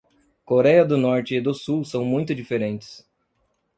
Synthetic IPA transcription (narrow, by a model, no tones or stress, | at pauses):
koɾɛjɐd̪ʊnɔɾt͡ʃɪːd̪ʊsuwsɐ̃w̃mũj̃t̪ʊd͡ʒifeɾẽnt͡ʃɪ̥s